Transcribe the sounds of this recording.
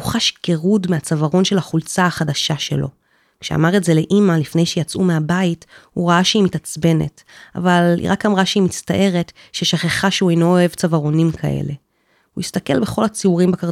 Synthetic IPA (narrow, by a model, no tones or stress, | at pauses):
uχaʃɡeʁudmeat͡savaʁo̞nʃe̞laχult͡saːχadaʃaʃe̞̰lo̞ | kʃea̰maʁetze̞le̞ʔimalifne̞jʃejat͡sume̞abaithuʁaaʃeimitat͡sbe̞ne̞̰t | a̰valhḭʁakamʁaʃeimista̰ʔe̞ʁe̞tʃeʃaχeχaʃeuejnooe̞vt͡savaʁo̞nimkʰa̰ʔḛle̞ | huistake̞̰lbeχo̞lat͡siuʁimbakaʁ